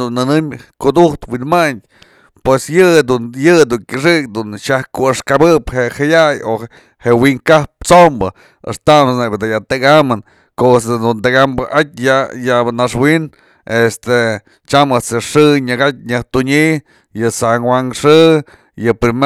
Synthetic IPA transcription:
unːɨnɨmkud̪uht̪winmaɲ | pwesjɨd̪ujɨd̪uŋkʲɨʂɨk̚d̪unʃahkuɨʂkabɨphehajajo | hewiŋkahp̚t͡sombɨ | ḛʂt̪amsnebed̪ajat̪ɨkamɨn | kosd̪unt̪eɡambɨʔat̚ʲjajanaʂwin | est̪e | t͡ʃamɨt͡seʂɨɲaɡat̪̚ʲɲɨht̪uɲiʔ | jɨsaŋwaŋʂɨ | jɨpɾim

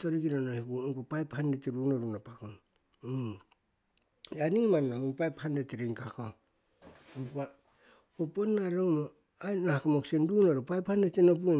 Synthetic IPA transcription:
toɾikinonoipuŋɡopajphandeteɾunoɾunapakon | aniŋmanːaupajphandeteɾiŋkako | opa | oponaɾomo | anakomoksendunoɾupajphandetenop̬ue

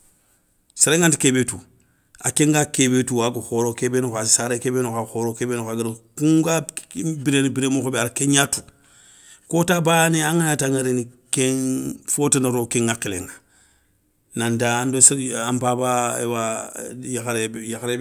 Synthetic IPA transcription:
seɾeŋantikebetu | a̰keŋɡakebetuwaɡuxoɾokebenokasaɾekebenokaxoɾokeːbeːnokaɡiɾokuŋɡabiɾenbiɾeːmoxobeaɾkeɲatu̥ | kotabaneaŋajataŋaɾeni | keŋfotanaɾokeŋːakilḛŋa | nandaːndosampabaḛwajaxaɾejaxɾe

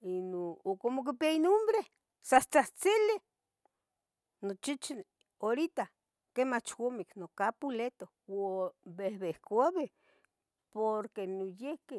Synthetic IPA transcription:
inookomok̬ipiainombɾe | sat͡saht͡sili | not͡ʃit͡ʃi | oɾit̪a | kemat͡ʃkomiknokapulet̪o | wobehβehkaβe | poɾkenojehke

